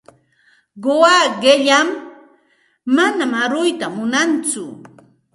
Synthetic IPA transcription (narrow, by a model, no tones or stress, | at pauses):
ɢowaɢeʎam | anamaɾʊjt̪amʊnant͡sʊ̰